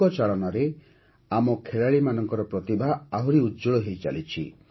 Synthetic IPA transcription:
ɔt͡ʃaɭɔnaɾe | amɔkʰeɭaɭimanɔŋkɔɾɔpɾɔt̪ibʱaaɦuɾiudd͡ʒuɭɔɦejt͡ʃa̰lit͡ʃʰḭ

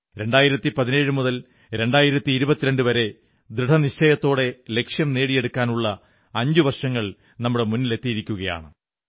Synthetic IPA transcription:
ɾe̞ɳɖaːjiɾɐt̪ːipɐðine̞ːɻumuðɐl | ɾe̞ɳɖaːjiɾɐt̪ːiːɾubɐt̪ːiɾe̞ɳɖɨʋɐɾe̞ | d̪ɾiɽʰɐnit͡ɕːɐjɐt̪ːo̞ːɽe̞le̞kʂjɐmne̞ːɽije̞ɽukːaːnuɭːɐ | ɐɲd͡ʑuʋɐrʂɐŋːɐɭ | nɐmːuɽe̞munːile̞t̪ːijiɾikʲːuɣɐja̰ːɳɨ

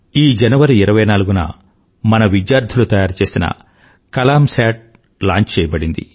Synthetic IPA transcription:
iːd͡ʒɐnɐʋɐɾiːɾɐʋɐjnaːluɡunɐ̰ | mɐnɐʋid̪jaːɾd̪ʱulut̪ɐjaːɾt͡ʃe̞ːsinɐ̰ | kɐlaːmsaːʈ̚ | la̰ːɲt͡ʃt͡ʃɛːjɐbɐɽind̪ḭ

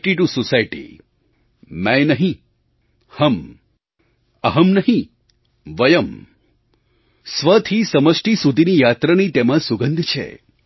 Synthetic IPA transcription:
ʈiʈusosajʈḭ | mãjnəɦĩ | həm | əɦəmnəɦĩ | ʋəjəm | sʋət̪ʰisəməsʈisud̪ʱinijat̪ɾanit̪emãsuɡə̃nd̪ʱt͡ʃʰḛ

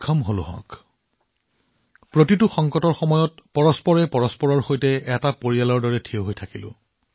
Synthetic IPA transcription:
kʰɔmɦolʊ̰ɦɔ̰̃k | pɹotitʊxɔŋkɔtɔɹxɔmɔjɔtpɔɹɔspɔɹɛpɔɹɔspɔɹɔɹxojtɛɛtapoɹijalɔɹdɔɹɛtʰijoɦojtʰakilʊ̰̃

